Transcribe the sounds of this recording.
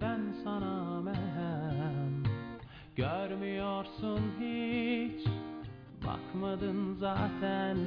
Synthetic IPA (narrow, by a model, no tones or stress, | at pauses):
ænsɑnɑmæɦæm | ɟ̥øɾmyjoɾsunɦit͡ʃ | bɑ̰kʰmɑd̪ɯnzɑːt̪ʰæn